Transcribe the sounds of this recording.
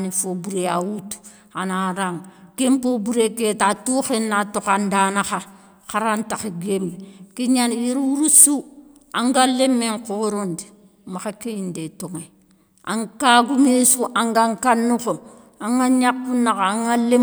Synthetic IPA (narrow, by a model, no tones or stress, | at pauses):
nifobuɾeawutu̥ | anaɾaŋɡempobuɾeketatuxenatokandanaxa | xaɾantaxeɡembkiɲaniɾwuɾusu | aŋɡalemːeŋkoɾondi | maxakejindetoŋe | ʔa̰ŋkaɡumesuʔaŋɡaŋkanːuko | aŋaɲakːunːakaaŋale